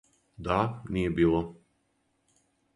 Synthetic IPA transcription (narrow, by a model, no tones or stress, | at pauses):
d̪anijebiːlˠo